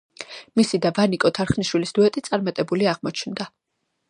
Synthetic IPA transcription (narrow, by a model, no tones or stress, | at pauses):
misid̪avanikʼɔt̪ʰaɾχniʃwilisd̪uɛt̪ʼit̪sʼaɾmat̪ʼɛbuliaʁmɔt͡ʃʰnd̪a